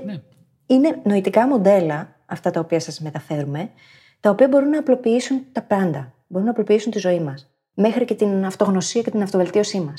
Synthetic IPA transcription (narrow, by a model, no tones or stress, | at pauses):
ine̞no̞it̪ikɐmo̞nd̪e̞lɐ | ɐft̪ɐt̪ɐopiɐsɐzme̞t̪ɐfe̞ɾume̞ | t̪ɐopiɐbo̞ɾunːɐːplo̞piisunt̪ɐpɐnd̪ɐ | bo̞ɾunɐplo̞piisunt̪izo̞imɐs | me̞xɾice̞t̪inɐft̪o̞ɣno̞siɐce̞t̪inɐft̪o̞ve̞lt̪io̞simɐs